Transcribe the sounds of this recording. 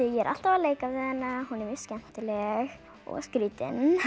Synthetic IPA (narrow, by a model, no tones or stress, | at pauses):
jɛɾʔa̰l̥t̪avaleːjkavðɪðɛnːahunɛɾvɪ̥scɛm̥t̪ɪlɛɣ | ɔ̰ɣskɾiːt̪ɪ̰n